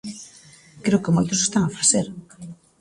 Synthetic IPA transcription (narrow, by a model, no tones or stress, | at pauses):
kɾeokɪmojt̪ʊse̥st̪aŋafḁθeɾ